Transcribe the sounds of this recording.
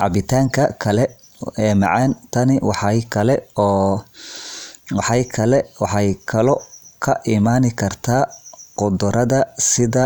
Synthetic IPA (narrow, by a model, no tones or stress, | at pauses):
ʕɑ̰bɪt̪ʰaːŋkʰɐkʰɐlɛ | ɛːmɑ̰ʕɑːnt̪ʰɐnɪwɑħɑjkʰɐlɛɔː | wɑħɑjkʰɐlɛwɑħɑjkʰɐlɔkʰɐʔimaːnɪkʰɐrt̪ʰaːqʊd̪ʊɾɐðɐsɪðɐ